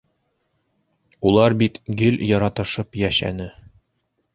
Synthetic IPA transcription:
ulˠɑɾbit̪ɡɘljɒɾɑt̪ɤ̆ʃɤpjæʃæ̰nɘ

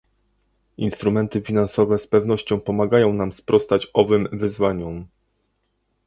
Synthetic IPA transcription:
inst̪ɾumɛnt̪ɘfʲinansɔvɛspɛvn̪ɔɕt͡ɕɔ̃w̃pɔmaɡajɔ̃w̃namspɾɔst̪at͡ɕɔvɘmvɘzvaɲum

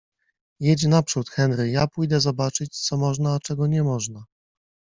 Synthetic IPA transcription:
jet͡ɕnapʂut̪xɛnɾɘjapujd̪ɛzɔbat͡ʂɘt͡ɕt̪sɔmɔʐnaːt͡ʂɛɡɔɲɛmɔʐna

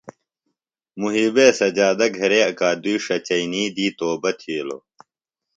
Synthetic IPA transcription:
muɦiːbeːsɐd͡ʑaːd̪ɐɡʱɐɾeːɐkaːd̪ujʂɐt͡ɕɐiniːd̪iːt̪oːbɐt̪ʰiːlo̰ː

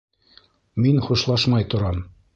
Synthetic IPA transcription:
minχuʃlˠɑʃmɑjt̪ŏɾɑm

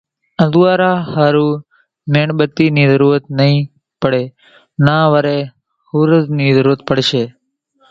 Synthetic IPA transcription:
ə̃duaːɾaːhaːɾũː | meːɳɓət̪ːiːniːzəɾuːɾət̪nəɦĩː | pəɽeː | nãːʋəɾeː | huːɾəzniːzəɾuːɾət̪̚pəɽʃeː

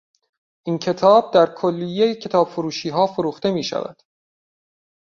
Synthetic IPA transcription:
ʔincʰe̞t̪ʰɒːb̚d̪æɾkʰolːijejcʰe̞t̪ʰɒːb̥foɾuːʃiːɦɒːfoɾuːxt̪e̞miːʃæ̰væ̰d̪̥

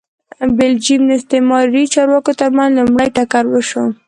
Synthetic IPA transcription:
bɪld͡ʒimnɪst̪emɑɾɾit͡ʃɑɾwɑkot̪aɾmanlumɽəjʈakaɾwəʃo

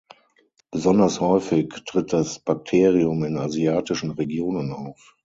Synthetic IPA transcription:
b̥əzɔndɐshɔʏfɪktʁ̥ɪt̚d̥asb̥ak̚tʰeːʁiʊmɪnaziaːtɪʃn̩ʁeɡjoːnənaʊf

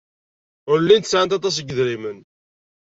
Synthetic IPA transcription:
ʊɾlːint̪əsʕənt̪ɑt̪ˤɑs̬əɡðɾimən

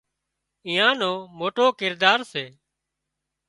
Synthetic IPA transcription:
ĩːãːnoːmoːʈoːkɪɾd̪aːɾseː

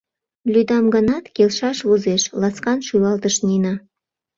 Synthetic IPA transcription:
lʲyd̪ɑmɡə̆nɑt̪kelʃɑʃβuzeʃlɑskɑnʃulɑlt̪əʃninɑ

